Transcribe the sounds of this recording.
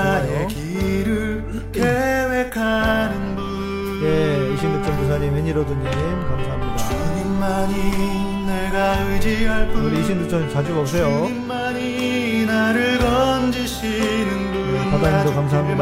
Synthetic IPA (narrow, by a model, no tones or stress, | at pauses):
ekiɾɯɭ | kewekʰanɯnɡu | jeiɕʰimdut͡ɕʰʌnkus̬ʰaɲimweɲiɾʌdɯnɯnɯnkamsʰaɦamɲidaaɲimmaɲi | neɡaɯd͡ʑiaɭpʰunɯniɕʰindut͡ɕʰʌnt͡ɕad͡ʑuɡʌp̚s̬͈ʰejoimmaɲi | naɾɯɭɡʌnd͡ʑiɕʰinɯnɡuepaɡaɲidokams̬ʰaɦamɲid